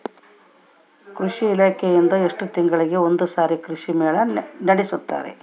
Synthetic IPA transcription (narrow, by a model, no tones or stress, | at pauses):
kɾuʂiːlaːkʰejend̪ɐeʂʈut̪iŋɡɐɭiɡe̞o̞nd̪usaːɾikɾuʂimeːɭɐnɐɽisut̪ːa̰ːɾḛ